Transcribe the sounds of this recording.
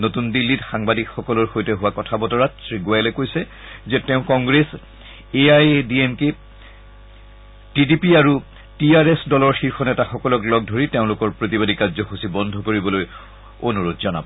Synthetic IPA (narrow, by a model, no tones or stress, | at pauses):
notundilːitxaŋbadikxɔkɔlɔɹxojtɛɦʊwakɔtʰabɔtɔɹatɹiɡuajlɛkojsɛ | zɛteʊ̃kɔŋɡɹes | eajdiemke | tidipiaɹu | tiaɹesdɔlɔɹxiɹxʰɔnɛtaxɔkɔlɔklɔɡ̚dʱoɹiteʊ̃lʊkɔɹpɹotibadikazɔxusibɔndʱɔkoɹibɔloj | onuɹodzɔna̰bɔ